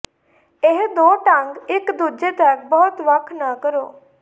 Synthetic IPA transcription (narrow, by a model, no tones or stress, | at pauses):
ɪɦd̪oːʈəŋɡɪkd̪uːd͡ʒeːt̪ək̚bɔːt̪ʋəkʰːnaːkəɾo̰ː